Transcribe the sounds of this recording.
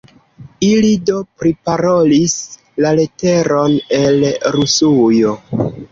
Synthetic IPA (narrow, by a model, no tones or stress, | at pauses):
ilido̞pɾipaɾo̞lis | lale̞te̞ɾo̞ne̞lɾusujo